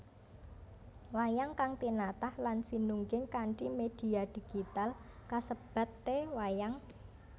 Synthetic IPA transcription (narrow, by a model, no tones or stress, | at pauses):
wajaŋkaŋt̪inat̪ahlansinuŋɡɪŋkaɳt͡ʃimed̪̥i̤ad̪̥i̤ɡ̥it̪alkasəb̥a̤t̪ːewajaŋ